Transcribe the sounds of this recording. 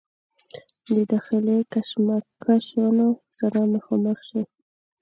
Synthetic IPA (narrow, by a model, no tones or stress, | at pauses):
d̪əd̪ɑxɪlekaʃmakʰaʃanosaɾaməxɑməxʃi